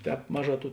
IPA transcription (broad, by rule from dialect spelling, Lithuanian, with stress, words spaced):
ˈtʲɛːp ˈmɑːˌʒɑː ˈtuː